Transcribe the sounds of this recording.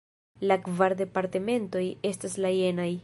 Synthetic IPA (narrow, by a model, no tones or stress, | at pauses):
lakvaɾde̞paɾte̞me̞nto̞je̞staslaje̞naj